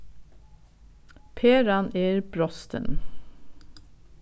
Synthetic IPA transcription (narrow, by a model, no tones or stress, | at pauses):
pʰeːɾɑneːɾbɾɔst̪ə̰n